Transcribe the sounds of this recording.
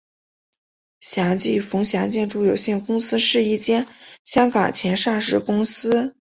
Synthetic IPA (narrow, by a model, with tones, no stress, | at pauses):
ɕjɑ˧˥ŋt͡ɕi˥˩fʊ˧˥ŋɕjɑ˧˥ŋt͡ɕjɛ˥˧nʈ͡ʂu˥˩jo˨˩ʊɕɛ˥˩ŋkʊ˥ŋsɹ̩˥ʂɻ̩˥˧i˥˩t͡ɕjɛ˥˩nɕjɑ˥ŋkɑ˨˩ŋt͡ɕʰjɛ˧˥nʂɑ˥˩ŋʂɻ̩˥˩kʊ˥ŋsɹ̩˥